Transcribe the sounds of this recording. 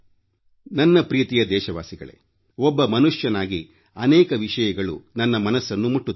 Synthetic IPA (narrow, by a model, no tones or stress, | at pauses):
nɐnːɐpɾiːt̪ijɐd̪ɛːʃɐʋa̰ːsiɡɐ̰ɭḛ | ɔbːɐmɐnuʂjɐnaːɡi | ɐnɛːkɐʋiʂɐjɐɡɐɭunɐnːɐmɐnɐsːɐnːumuʈːu